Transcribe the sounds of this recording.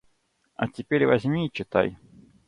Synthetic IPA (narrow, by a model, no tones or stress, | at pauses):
ɐ̰tʲɪpʲeɾʲvɐzʲmʲit͡ɕɪt̪a̰j